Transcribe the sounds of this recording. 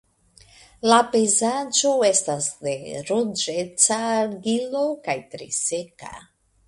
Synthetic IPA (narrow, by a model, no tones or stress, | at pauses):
lapejzad͡ʒo̞e̞stasde̞ɾod͡ʒe̞t͡saɡilo̞kajtɾḭse̞ka̰